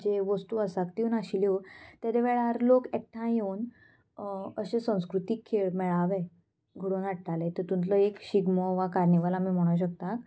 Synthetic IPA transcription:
d͡ʑeʋəst̪uasakt̪iunaɕiljot̪jad̪eʋeɭaɾlokek̚ʈʰãjewn | əɕẽsə̃w̃skɾut̪ikʰːeɭmɛɭaʋe | ɡʱəɽuːnaʈʈalet̪əɾt̪ũnt̪ləekɕiɡməʋakaɾniʋalamiːm̤oɭ̃aɕ̬ək̚t̪ak

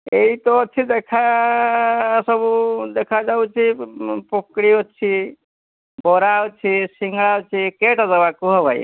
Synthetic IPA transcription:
eit̪ot͡ʃʰid̪ekʰa | səbud̪ekʰad͡ʒaut͡ʃʰipokɽiɦot͡ʃʰi | bɔɾawt͡ʃʰisiŋɡɭawt͡ʃʰikeʈazəʋakuɦɔbʱaḭ

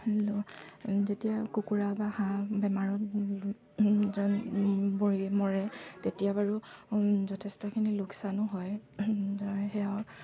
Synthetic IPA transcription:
lɔzetijakukuɹabahãbɛmaɹɔt̚ | zɔnboɹimɔɹɛtetijabaɹuzɔtʰestɔkʰinilʊksanʊɦɔjzɔjxɛaʊ

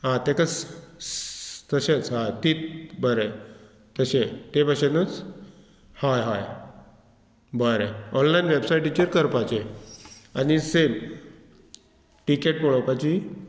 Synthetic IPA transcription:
ɦãt̪ekət͡s | t̪əɕet͡sɦajt̪it̪̚bəɾə | t̪əɕet̪epəɕenət͡s | hajɦaj | bəɾeɔnlajnʋebsajʈit͡ɕeɾkəɾpat͡ɕe | anisem | ʈikeʈ̚pɔɭopat͡ɕi

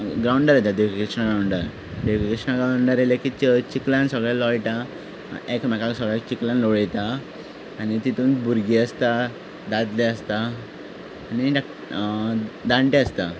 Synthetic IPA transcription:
ɡɾauɳɖəɾajt̪ad̪ikkɾiksnaɡɾawɳɖəɾ | ɖekikɾiʂnaɡɾaɳɖəɾelekit͡ɕt͡ɕiklãnsəɡɭalɔjʈa | ekmakaksəɡɭakt͡ɕiklanloɭɛjt̪aː | ñit̪it̪uːnbuɾɡiəst̪a | d̪ad̪lɛəst̪aː | niɖ | d̪aɳʈẽəst̪a

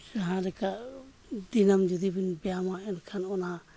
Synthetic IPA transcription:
d͡ʒaɦãɾɛkaʔ | d̪inamd͡ʒud̪ibinbɛjamaɛnkʰanɔna

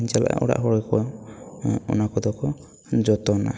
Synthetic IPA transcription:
ɲt͡ʃala̰ʔa̰ʔɔ̰ɽa̰ʔɦɔɽɔkɔ | ɔ̰nakɔd̪ɔkɔ | d͡ʒɔt̪ɔna̰

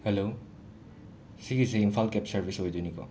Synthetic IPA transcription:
helo | siɡiseimpʰalkɛpsɐɾbʱisɦojdunikɔ̰

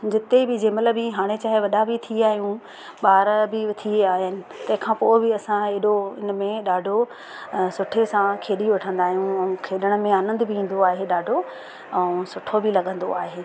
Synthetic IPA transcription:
d͡ʑɪt̪ebɪd͡ʑeːmɐləbiɦaːɽ̃et͡ɕaːɦeʋɐɗabɪt̪ʰiaːɦijũ | ɓaːɾbɪt̪ʰieaːɦɪnɪ̆t̪ɐ̃ɦɪ̃kʰãːpoːɪbɪɐsãeɗoɪnəmẽɗaːɖʱo | sʊʈʰesãkʰeːɗiʊʈʰə̃nd̪aːɦijũɐ̃ũkʰeːɗəɽ̃ə̆mẽaːnə̃nd̪bʱɪĩːn̆d̪oaːɦeɗaːɖʱo | ɛ̃ũsʊʈʰobɪlɐɠə̃nd̪oaːɦeː

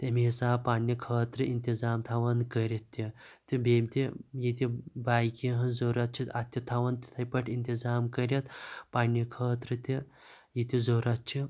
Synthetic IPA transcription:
t̪emisaːpaɳːikʰəːt̪ɾɨʔint̪izaːmt̪ʰaʋɐnkəɾʲit̪ːe | t̪ibemʲt̪ʲijit̪ʲibajkiɦɐ̃nd͡zoɾat̪̚t͡ʃʰit̪at̪ʲːit̪ʰaʋɐnt̪t̪ʰɐjpəʈʰint̪izaːmkəɾʲɐt̪panːikʰəːt̪ɾɨt̪ʲe | jit̪ʲizoɾat̪̚t͡ʃʰi

